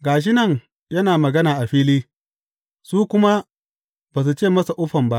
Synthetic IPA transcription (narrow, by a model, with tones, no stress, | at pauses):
ɡaː˨ʃ̬ɪ˦nɐ˦˨ŋ | jɐ˦naː˨mɐ˨ɡɐ˦naː˨ʔa˨ɸiː˦liː˦ | suː˦kʷʊ˦ma˦ | baː˨s̬u˨t͡ʃeː˦˨mɐ˦sa˨ʔʊ˦ɸɐ˨mba˦ʔ